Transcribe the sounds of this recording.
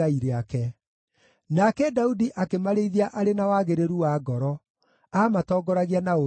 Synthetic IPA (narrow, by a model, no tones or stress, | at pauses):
aiɾeakɛ | nakɛdaudiʔakemaɾeiðiaʔaɾenawaɣeɾeɾuwaɡɔɾɔ | aːmatɔːɡɔɾaɣianao